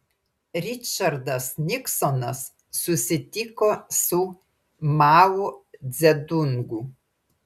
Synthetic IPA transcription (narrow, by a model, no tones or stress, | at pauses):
ɾʲɪt͡ʃɐɾd̪ɐsnʲɪksɔnɐsː | ʊsʲɪt̪ʲɪkoːsʊ | mɑːwʊd̪zʲɛd̪ʊŋɡu